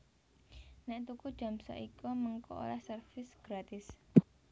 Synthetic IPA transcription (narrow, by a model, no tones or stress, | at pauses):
nɛʔt̪ukud̥ʒ̥a̤msɔ̰ʔikɔməŋkɔ̰o̰lahsərfɪsɡ̥ɾat̪ɪs